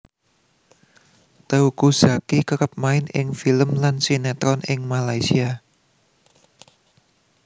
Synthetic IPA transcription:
t̪əukuz̥akikəkəp̚maɪnɪ̰ŋfiləmlansinat̪ɾɔnɪŋmalaisia

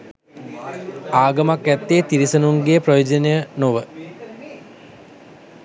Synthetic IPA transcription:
aːɡəmakæt̪ːeːt̪iɾisənuŋɡeprojoːd͡ʒənejənoʋə

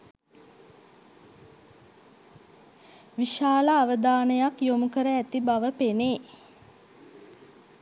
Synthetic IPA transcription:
ʋiʃaːlaːʋəd̪aːnəjakjomukəɾəæt̪ibaʋəpeneː

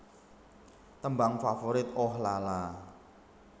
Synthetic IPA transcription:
t̪əmbaŋfafoɾɪt̪̚ʔɔhlala

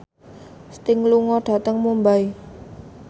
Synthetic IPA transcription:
st̪ɪŋluŋɔɖ̥ä̤t̪əŋmumbai

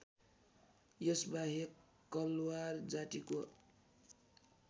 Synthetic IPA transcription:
jʌsbaɦe | kːʌlward͡zat̪iko

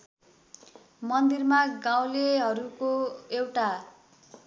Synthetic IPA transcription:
mʌnd̪irmaɡãw̃leɦʌɾukoewʈa

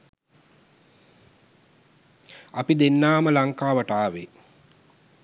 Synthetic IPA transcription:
apid̪enːaːməlaŋkaːʋəʈaːʋe

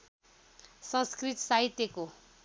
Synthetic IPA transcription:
sʌ̃skrit̪saɦit̪jeko

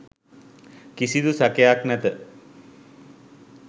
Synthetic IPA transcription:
kisid̪usakejaknæt̪ə

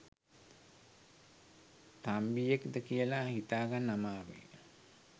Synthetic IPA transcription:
t̪ambijekd̪əkijəlahit̪aːɡanːamaːʋḛ

